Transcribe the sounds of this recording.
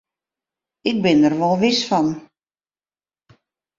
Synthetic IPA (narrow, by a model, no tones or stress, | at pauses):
ɪk̚bɪnərʋɔlˠʋɪsfɔn